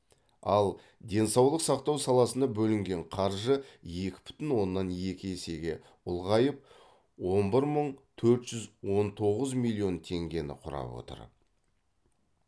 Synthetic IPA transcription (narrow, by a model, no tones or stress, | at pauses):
ɑlˠ | d̪e̞nsɑwlˠəqsɑqt̪ɑwsɑlˠɑsənɑbɵlɪŋɡʲeɴqʰɑɾʒəje̞kʲɪ̥bʏ̥t̪ɪnwo̞nːɑnje̞kʲɪese̞ɡʲe̞ | ʊlˠʁɑjəp̚ | wo̞nbɪɾməɴt̪ʰɵɾt̪ʒ̥ʏzwo̞nt̪ʰo̞ʁəzmilʲˠːijo̞nt̪ʰe̞ŋɡʲe̞nɪ̰qʰʊɾɑ̰pwo̰t̪ə̰ɾ